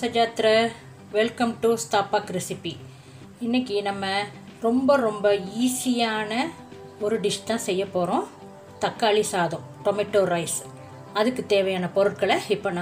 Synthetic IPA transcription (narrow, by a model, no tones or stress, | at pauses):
sɐd͡ʒaːt̪ɪɾɐ | ʋɛlkɐmʈusʈaːpaːkɾɛsɪpi | ɪnːɐkːinɐmːɐ | ɾɔmbɐɾɔmbɐiːsɪjaːnɐ | ɔɾɯɖɪʂt̪ãːsɛjːɐpːoːɾõ | t̪ɐkːaːɭisaːðõː | ʈɔmɪʈːoːɾɐɪs | ɐðɯkːɯt̪eːʋɐjaːnɐpɔɾɯʈkɐɭɐɪpːoːnãː